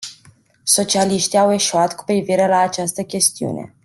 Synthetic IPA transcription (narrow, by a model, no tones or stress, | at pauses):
so̞t͡ʃialiʃt̪iawe̞ʃuat̪ku̥pɾiviɾəlaːt͡ʃast̪əkʲe̞st̪iṵne̞̰